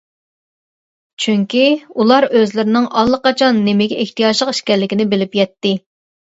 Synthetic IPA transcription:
t͡ʃʰyŋkʲiulˠɑɾøzlɪɾɪnɪŋʔɑlˠːəqɑt͡ʃʰɑnːɪmɪɡʲɛeht̪ijɑʒlˠəqi̥ʃkʲɛɾlːɪkʲinɪbɪlɪpjɛt̪ːɪ

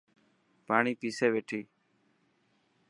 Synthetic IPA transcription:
paːɳiːpiːseːʋeːʈʰiː

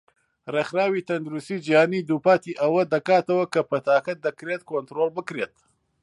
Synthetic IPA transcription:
rexɾaːwit̪ɐnd̪uɾust̪iːd͡ʒihaːnid̪upaːt̪iːʔɐwɐd̪ɐkaːt̪ɐwɐkɐpɐt̪aːkɐd̪ɐkɾet̪̚kont̪ɾoːlbɨkɾet̪

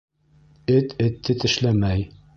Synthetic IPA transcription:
ɘt̪ʰɘ̆t̪ːɘt̪ɘ̆ʃlæmæj

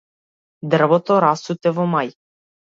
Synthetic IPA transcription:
d̪r̩vɔt̪ɔɾasut̪ɛvɔmaj

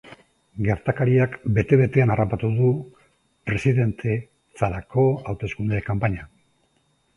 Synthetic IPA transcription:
ɡe̞ɾt̪akaɾiakbe̞t̪e̞βe̞t̪e̞anarapat̪uðu | pɾe̞siðe̞nt̪ʰe̞ | t͡saɾako̞awt̪e̞skund̪ekampaɲa

